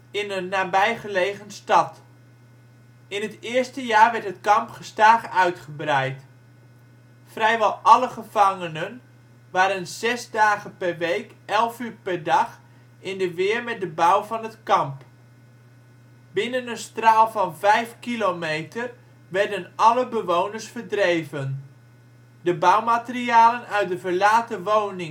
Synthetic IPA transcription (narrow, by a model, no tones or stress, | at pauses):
ɪnənːaːbɛjχəlejχənstɑt | ɪnətɪəɹstəjaːrʋɛɹtɦətkɑmpχəstaːχəœɥtχəbrɛjt | frɛjʋɛlˠɑləχəv̥ɑŋənən | ʋaːɾənz̥ɛzdaːχəpɛrʋejkɛlˠfyːɹpɛɹdɑχ | ɪndəʋɪːəɹmɛt̚dəbʌwvɑnətkɑmp | bɪnənənstraːlˠvɑnvɛjfkilomejtʰər | ʋɛrdənɑləbəʋownəɹsfərdrejvən | dəbawmatəriaːlənœɥt̚dəvəɹlaːtəʋownɪŋ